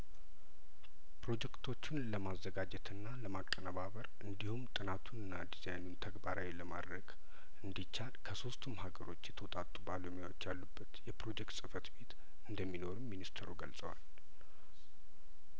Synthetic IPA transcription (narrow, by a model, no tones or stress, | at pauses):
pɾo̞d͡ʒɛkt̪ʰo̞t͡ʃːɪnləmazːəɡad͡ʒɛt̪ʰɨnːaləmakʼːənəβaβəɾʔɨnd̪ihumt̪ʼɨnat̪ʰunɨnːad̪izajnunt̪ʰəɡbaɾawiləmad̪ɾəɡ | ɨnd̪it͡ʃːalkʰəso̞st̪ʰumhaɡəɾo̞t͡ʃːjɛt̪ʰəwɔt̪ʼat̪ʼubaləmawot͡ʃːjalːubːət̪jɛpɾo̞d͡ʒɛkt̪sʼɨfət̪be̞t̪ | ɨnd̪əmːino̞ɾuminist̪ʰɾuɡəlsʼəwa̰l